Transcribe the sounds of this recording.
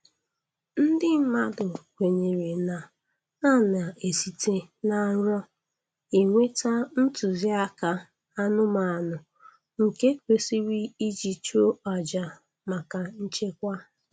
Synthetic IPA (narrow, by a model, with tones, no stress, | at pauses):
n̩˦dɪ˦ma˦dʊ˨kʷe˨ɲe˨ɾe˨na˨ | na˦˨na˨e˨si˨tʰe˦na˨˦ɲ˦ɔ˦ | i˨ŋʷe˦ta˦n̩˦tu˨zi˦a˦ka˨ | a˦nʊ˦ma˨a˨nʊ˨ | ŋ̩˨ke˦kʷe˨si˦wi˦i˦d͡ʒi˨t͡ʃo˦ɔ˨d͡ʒa˨ | ma˨ka˨n̩˦t͡ʃe˦kʷa˦